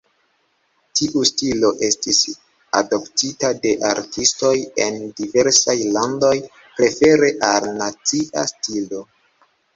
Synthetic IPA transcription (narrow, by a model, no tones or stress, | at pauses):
tiʔustilo̞ʔe̞stis | a̰do̞ptitade̞ʔaɾtisto̞je̞ndive̞ɾsajlando̞j | pɾe̞fe̞ɾe̞ʔalnat͡siʔa̰stilo̞